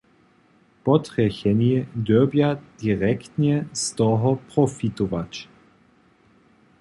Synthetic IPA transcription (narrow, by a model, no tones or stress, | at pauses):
pɔtʁɛçɛniɛdøbjad̥iʁɛktɲɛstɔɦɔpʁ̥ɔfit̪ɔvat͡ʃ